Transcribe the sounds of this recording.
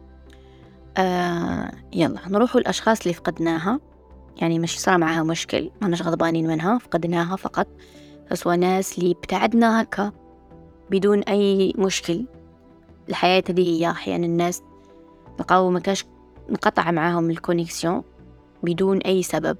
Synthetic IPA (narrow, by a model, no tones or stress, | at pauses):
ʔa | jɑ̰lˤːɑ̰ːnɾuːħulʔɑʃxɑːsˤɪlːifɑ̥qɑd̪naːɦa | jaʕnimaʃsˤɾˤɑmaʕaːhamʊʃkɪ̰lwanaʃɣɑd̪ˤbɑːniːnmɪnɦafɑ̥qɑd̪naːɦafɑqɑt̪ˤ | faswanaːslib̥t̪aʕɪd̪nahakʰːa | bɪd̪uːnʔajːmʊʃkɪl | ɪlħajaːt̪hd̪ihɪjːaʔaħja̰ːʔnɪnːaːs | lqɑːwmakaːʃ | nqɑt̪ˤʕmaʕaːhʊmɪlkʊnːɪksjõ | bɪd̪uːnʔajːsaba̰b̚